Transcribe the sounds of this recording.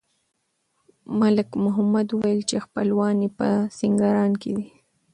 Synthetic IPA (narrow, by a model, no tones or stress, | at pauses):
malɪkmʊɦamad̪uwajəlt͡ʃexpəlwɑnipəsiŋɡaɾɑnked̪i